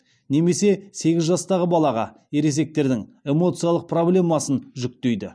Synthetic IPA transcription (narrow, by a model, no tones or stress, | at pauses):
ne̞me̞se̞se̞ɡʲɪzʒɑst̪ɑʁəbɑlˠɑʁɑ̰ | e̞ɾe̞s̬e̞k̚t̪e̞ɾd̪ɪŋe̞mo̞t̪sɨjalˠəq̚pʰroblʲe̞mɑsənʒʏk̚t̪e̞jd̪ɪ̰